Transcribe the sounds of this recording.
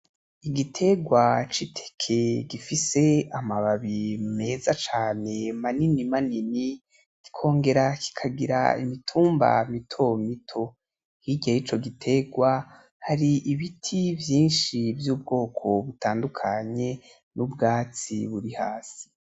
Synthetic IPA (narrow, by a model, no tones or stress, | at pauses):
iɡitʰe̞ɡwat͡ʃitʰe̥kʰe̞ɡifise̞amaβaβime̞zat͡ʃaːne̞maninimanini | ɡ̥i̥kʰo̞ːŋɡe̞ɾakʰi̥kʰaɡiɾa̰ḭmitʰuːmba̰mitʰo̞mitʰo̞ | hiɡajit͡ʃo̞ɡitʰe̞ɡwa | haɾiʔiβitʰivjiːnʃivjuːb̚ɡo̞ːkʰo̞βutaːndukʰaɲe̞ | nubɡaːt͡siβuɾihaːsi̥